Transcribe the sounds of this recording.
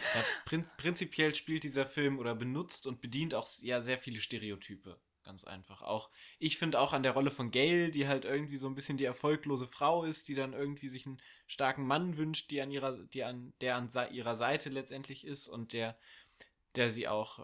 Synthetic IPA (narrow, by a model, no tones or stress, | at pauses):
jaːpʁ̥ɪpʁ̥ɪnt͡sipʰjɛlʃpiːlt̚d̥iːzɐfɪlmʔoːɾɐbənʊt͡stʊnt̚b̥ədiːntaʊxjaːzeːɐfiːləʃteːʁeotʰyːpə | ɡ̥a̰nt͡sʔa̰ɪnfaχʔa̰ʊxʔɪçfɪndəaʊxandeːɐʁɔləfɔnɡɛːldiːɦaltʔɪɐɡŋ̩tv̥iːzoːnbɪsçəndiːɛɐfɔlkloːzəfʁ̥aʊɪst̚d̥iːdanʔɪɐɡŋ̩tv̥iːzɪçnən | ʃtaɐkŋ̩manvʏnʃt̚d̥iːanʔiːʁɐd̥iːand̥eːɐanzaʔiːʁɐzaɪtʰəlɛt͡stʔɛntʰlɪçɪstʊ̰nt̚d̥eːɐ | d̥eːɐziːʔa̰ʊx